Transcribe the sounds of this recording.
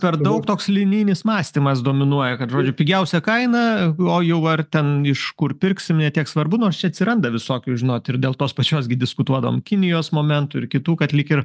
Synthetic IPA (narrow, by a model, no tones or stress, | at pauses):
pʲɛrd̪ɐʊkt̪oːkslʲɪnʲiːnʲɪsmɑːsʲt̪ʲimɐs̬d̪oːmʲɪnuɔjɛkɐt̪ʒoːd͡ʒʲʊpʲɪɡʲɛʊsʲɛkɐɪnɐoːjɛʊɐrt̪ʲɛnɪʃkʊrpʲɪrʲksʲɪmnʲɛt̪ʲiɛksʋɐrbʊnoːrst͡ʃʲɛɐt̪sʲɪɾɐnd̪ɐʋʲɪsoːkʲʊʒʲɪnoːt̪ɪrdʲeːlˠt̪oːspɐt͡ʃʲoːsɡʲɪdʲɪskʊt̪uɔd̪ɐʋo̰mkʲɪnʲɪjoːsmoːmʲɛnt̪ʊɪ̰ɾkʲɪt̪uːkɐt̪lʲɪkɪr